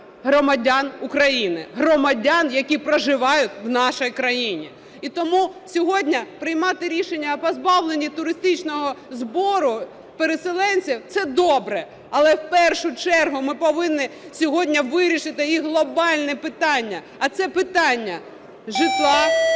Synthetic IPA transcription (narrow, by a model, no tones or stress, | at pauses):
ɦɾɔmɐdʲanʊkɾɐjinɪ̰ɦrɔmɐdʲanjɐkʲipɾɔʒɪʋɑjʊtʲwnɑʃɔjkɾɐjinʲi | it̪ɔmusʲɔɦɔdʲnʲɐpɾɪjmɑt̪ɪɾʲiʃenʲːɐpɔzbɑwlˠenʲːit̪ʊɾɪst̪ɪt͡ʃnɔɦɔzbɔɾʊ | peɾeselˠɛnʲt͡sʲiwt̪sɛd̪ɔbɾɛ | ɐlˠɛwpɛrʃʊt͡ʃɛrɦʊmɪpɔʋɪnːɪsʲɔɦɔdʲnʲɐʋɪɾʲiʃɪt̪ɪjiɦlˠɔbɑlʲnɛpɪt̪ɑnʲːɐ | ɐt̪sɛpɪt̪ɑnʲːɐ | ʒɪt̪lˠɑ